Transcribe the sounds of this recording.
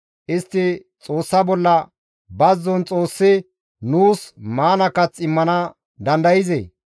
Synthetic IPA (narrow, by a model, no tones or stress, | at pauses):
ʔɪst̪ːɪ | t͡sʼo̞ːsːɐbɔlːɐ | bɐzːɔnt͡sʼo̞ːsːɪ | nuːsmaːnɐkːɐt͡sɪmːɐnɐ | d̪ɐnd̪ɐjɪzḛ